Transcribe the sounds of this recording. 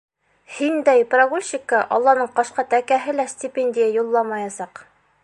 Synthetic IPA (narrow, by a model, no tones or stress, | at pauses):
hind̪æjpraɡulʲɕikɑʔɒlˠːɑnɤɴqɑʃqɑt̪ækæɦɘlæsʲtʲɪpʲenʲdʲɪjajulˠːɑmɑjɑsɑq